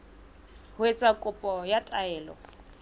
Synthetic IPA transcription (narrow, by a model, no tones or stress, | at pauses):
hwet͡sʼakʼʊpʼɔjatʼaɛːlɔ̰